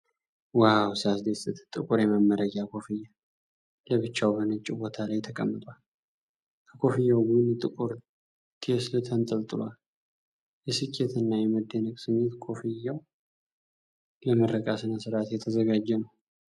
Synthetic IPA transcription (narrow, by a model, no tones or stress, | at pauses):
wawsɨasd̪esɨt̪ʰt̪ʼɨkʼuɾjɛmamːəɾəɡakʰo̞fijːa | ləβɨt͡ʃːawbənɨt͡ʃʼibo̞t̪ʰalajt̪ʰəkʼəmːɨt̪ʼwal | kʰəkʰo̞fijawɡɨɨnt̪ʼɨkʼuɾ | t̪ʰislɨt̪ʰənt̪ʼəlt̪ʼɨlwal | jɛsɨkʰʼːet̪ʰɨnːajɛməd̪ːenəkʼsɨɲːet̪kʰo̞fijːaw | ləməɾːəkʼasɨnəsɨɾat̪jɛt̪ʰəzəɡad͡ʒːɛnəw